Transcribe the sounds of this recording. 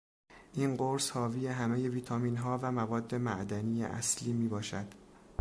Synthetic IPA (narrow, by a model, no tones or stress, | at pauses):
ʔiːnɢoɾshɒːviːjeɦæme̞je̞viːt̪ʰɒːmiːnɦɒːvæmævɒːd̪ːe̞mæʔd̪ænijḛʔæ̰sliːmiːbɒːʃæd̪̥